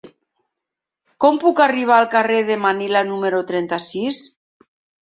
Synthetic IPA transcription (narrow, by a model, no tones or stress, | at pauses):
kɔmpukariβ̞aːlˠkareðemanilanumeɾot̪ɾɛnt̪asis